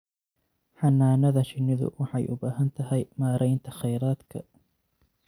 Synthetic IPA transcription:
ħɑnːaːnɐðɐʃɪnːɪðʊ̰wɑħɑjʔʊbaːɦɐnt̪ʰɐɦɛjmaːɾʔɛjnt̪ʰɐχɛjɾaːd̪kʰɐ̰

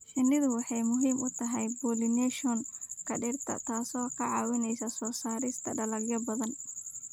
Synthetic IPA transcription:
ħɪnːɪðʊwɑħɑjmʊɦiːmʊt̪ʰɐɦɛjbuːlɪnɛʃɔnkʰɐɖɪrt̪ʰɐ̰t̪ʰaːsɔːkʰɐʕɑːwɪnɛjsɐsɔːsaːɾɪst̪ʰɐɖɐlɐɡjɐbɐðɐn

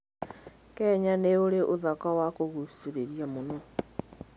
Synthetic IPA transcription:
kɛɲaneoɾeʔoðakawakoɣusuɾeɾjamonɔ

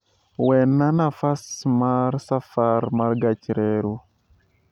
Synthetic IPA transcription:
wɛnːanafasmaɾsafaɾmaɾɡat͡ʃiɾeɾu

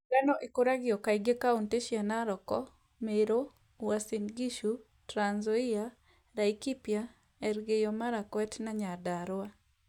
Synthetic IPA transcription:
ɡanɔʔekoɾaɡɪɔkaiɡekaunteʃjanaɾɔkɔ | meɾo | wasinɡiʃu | tɾanzɔia | ɾaikipja | ɛɾɡejɔmaɾakwɛtnaɲadaɾwa

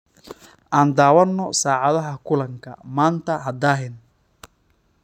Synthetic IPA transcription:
ʔaːnd̪aːwɐnːɔsaːʕɑðɐɦɐkʰʊlɐŋkʰɐ̰maːnt̪ʰɐɦɐd̪aːɦɪn

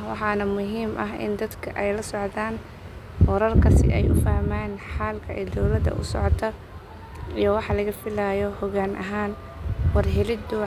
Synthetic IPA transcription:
wɑ̰ħɑːnɐmʊɦiːmʔɐ̰ɦɪ̰nd̪ɐd̪kʰɐʔɛjlɐsɔʕd̪aːn | wɔɾɐlkʰɐsɪ̰ʔɛ̰jʔʊ̰fɐhmaːnħaːlkʰɐʔɛːd̪ɔwlɐd̪ɐ̰ʔʊ̰sɔ̰ʕɔt̪ʰɐ | ijɔwɑħɑlɐɣɐfɪlaːjɔhɔɣaːnʔɐ̰ɦaːn | wɑrɦɛlɪd̪ʊ

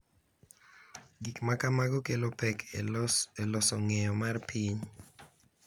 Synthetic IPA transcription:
ɡikmakamaɡɔkelopɛkʰ | elɔsɔŋɛjɔmarpʰiɲ

